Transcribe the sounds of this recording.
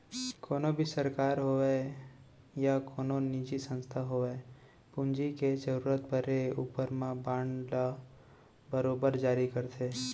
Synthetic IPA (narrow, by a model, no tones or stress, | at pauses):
koːnobʱisəɾkaːɾɦoʋe | jakʰoːnonid͡ʒisə̃nst̪ʰaɦoʋe | pʊ̃nd͡ʒiked͡ʒəɾuːɾət̪̚bəɾeupəɾmãbãɳla | bəɾobəɾd͡ʒaːɾikəɾt̪ʰe